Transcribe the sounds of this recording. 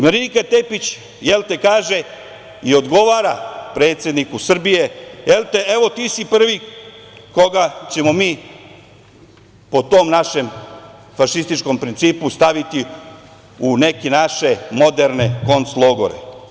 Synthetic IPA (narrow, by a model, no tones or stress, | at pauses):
meɾikat̪e̞pit͡ɕ | jelt̪e̞kaːʒe̞ | io̞d̪ɡo̞ʋaːɾapɾe̞t̪sjed̪nikusr̩bije̞jelt̪ee̞ʋo̞t̪iːsipr̩ʋi | ko̞ɡat͡ɕe̞mo̞miː | po̞t̪o̞ːmnaʃe̞m | faʃist̪it͡ʃko̞mpɾint̪siːpust̪aʋit̪i | une̞kinaʃe̞mo̞d̪e̞ɾne̞ko̞nsloɡo̰ɾe̞̰